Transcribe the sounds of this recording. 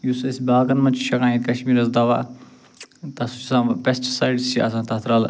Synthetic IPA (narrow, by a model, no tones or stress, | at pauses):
jusɐsʲbaːkɐnmɐnt͡ʃʰʃɐkãːĩt̪ʲkɐʃmiːɾɐsd̪ɐʋa̰ | t̪ɐsut͡ʃisãːpɛst͡ʃsajɖsiɐ̰s̬ãːt̪ɐt̪ʰɾaːl